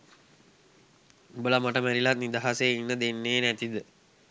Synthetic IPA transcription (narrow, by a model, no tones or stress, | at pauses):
ubələmaʈəmæɾilat̪̚nid̪aɦaseinːəd̪enːeːnæt̪id̪ə